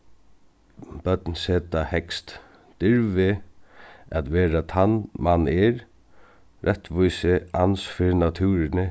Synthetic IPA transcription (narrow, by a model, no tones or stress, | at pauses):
b̥œt̪nseːt̪ahɛkst̪ | d̪̥ɪɾvɪ | at̪ʋɛːɾat̪ʰanːmanːɪɾ | ɾʔɛt̪ʋujsɪa̰nsfɪɾɪnat̪ʰʉːɾɪnɪ